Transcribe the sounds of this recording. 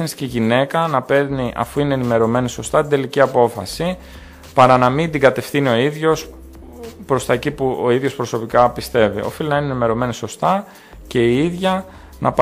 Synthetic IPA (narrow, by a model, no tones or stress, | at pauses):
ensciʝine̞kɐnɐpe̞ɾniʔɐ̰fuine̞ːnime̞ɾo̞me̞niso̞st̪ɐt̪ind̪e̞liciɐpo̞fɐ̰si | pɐɾɐnɐmind̪iɡɐt̪e̞fθinio̞iðʝo̞s | pɾo̞st̪ɐcipuo̞iðjo̞spɾo̞so̞pikɐpist̪e̞vḭo̞̰filinɐinenime̞ɾo̞me̞niso̞st̪ɐ | ce̞iiðʝɐ | nɐ̰p